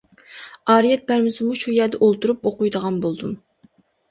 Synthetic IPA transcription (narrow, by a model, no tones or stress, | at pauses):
ɑːɾijɛt̪̚bæɾmɪsɪmuʃujɛd̪ɛʔolˠt̪uɾupoqujd̪əʁɑnbolˠd̪um